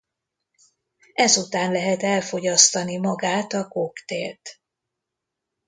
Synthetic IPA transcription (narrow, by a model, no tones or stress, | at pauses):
ɛzut̪aːnlɛɦɛt̪ɛlfo̞ɟɒst̪ɒnimɒɡaːt̪ɒkokt̪ḛːlt̪